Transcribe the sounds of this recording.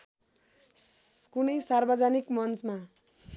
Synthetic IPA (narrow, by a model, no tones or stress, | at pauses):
kunʌjsarbʌd͡zanikmʌnt͡sma